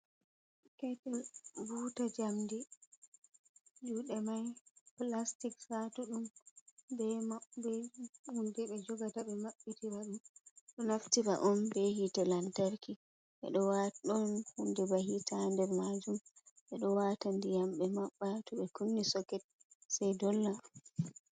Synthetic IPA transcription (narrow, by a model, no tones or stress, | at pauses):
kɛtɛlbuːtad͡ʒamdi | d͡ʒuɗɛmajplastiksatuɗumbɛmabɛhundɛɓɛd͡ʒɔɡataɓɛmaɓːitiɾaɗumɗɔnaftiɾa̰ʔɔnbɛhitɛlantaɾki | ɓɛ̰ɗɔwaɗɔnhundɛbahitʰandɛɾmad͡ʒumɓɛɗɔwatandijamɓɛmaɓːatʰɔɓɛkunːisɔkɛt̚ | sajdɔlːaɗ